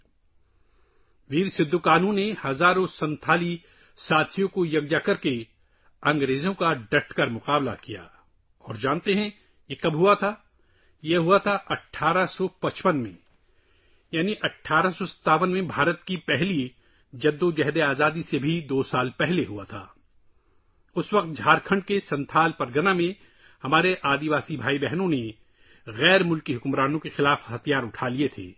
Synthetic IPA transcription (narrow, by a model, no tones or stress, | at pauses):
ʋiːɾsɪd̪ʱːukaːnũnnehɐzaːɾõsɐ̃nt̪ʰaːli | saːt̪ʰijõkojɐɡd͡ʒakɐɾke | ɐ̃ŋɡɾeːzõkaɖɐʈʰkɐɾmʊqaːbla̰kija̰ː | ɔːɾd͡ʒãːnt̪eɦɛ̃ | jekɐbɦʊat̪ʰaː | jeɦuat̪ʰaʔɐʈʰːaːɾasɔpɐt͡ʃpənmḛ̃ | jaːniʔɐʈʰːaːɾasɔsɐ̥t̪aːʋənmẽbʱaːɾət̪kipɛɦli | d͡ʒɐd̪ːod͡ʒɛɦd̪eaːzaːd̪isebʱid̪oːsaːlpɛɦleɦuat̪ʰaː | ʊswɐq̚t̪̚d͡ʒʱaːɾkʰə̃ɳɖkesɐ̃nt̪ʰaːlpɐɾɡənamẽ | hɐmaːɾeʔaːd̪iʋaːsibʱaːibɛɦnõne | ɣɛːɾmʊlkiɦʊkmɾaːnõkexɪlaːfhɐt̪ʰijaːɾʊʈʰaːliet̪ʰḛː